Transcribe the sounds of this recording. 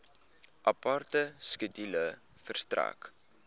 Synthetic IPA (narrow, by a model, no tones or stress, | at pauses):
ʔɐpartəskədilə | fərstræ̰k